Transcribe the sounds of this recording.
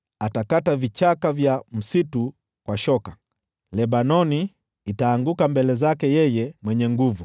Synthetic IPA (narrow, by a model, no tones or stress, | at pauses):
atakatavit͡ʃakavjam̩situ | kwaʃɔka | lɛbanɔniː | taːŋɡukambɛlɛzakɛjɛjɛmwɛɲɛŋɡuvu